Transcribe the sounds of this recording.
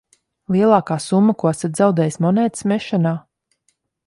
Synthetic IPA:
lˠiɛlˠɑːkaːsumːakuasat̪zawd̪ɛːjsmɔnɛːt̪smɛʃanaː

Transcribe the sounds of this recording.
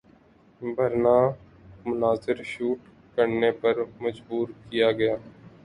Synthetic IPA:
bʱɐɾnaː | mʊnaːzɪɾʃuːʈ | kəɾnepɐɾmɐd͡ʒbuːɾkijaɡɐjaː

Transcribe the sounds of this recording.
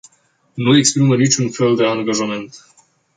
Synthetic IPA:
nuekspɾimənit͡ʃunfeld̪eaŋɡaʒame̞nt̪

